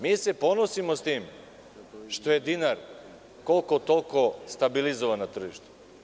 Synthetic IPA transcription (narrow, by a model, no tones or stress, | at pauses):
misɛponosimost̪im | ʃt̪oɛd̪inaɾ | kolˠkot̪olˠkost̪abilizovanat̪r̩ʒiʃt̪ɛ̥